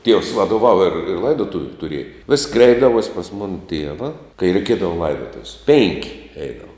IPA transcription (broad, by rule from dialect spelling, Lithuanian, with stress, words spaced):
tʲiɛws ʋɐdoːˈʋɑːʋɐ ɪr ˈlˠɐɪdoːtʊʋʲʊ tʊˈrʲiɛjɛ ʋʲɪsʲ ˈkrʲɛɪbdɐʋuɔsʲ pɐs ˈmoːnɐ ˈtʲiɛʋɐ kɐɪ rʲɛɪˈkʲiɛdɐʋoː ˈlˠɐɪdoːtʊwsʲ pʲeːŋʲkʲ ˈɛɪdɐʋɐ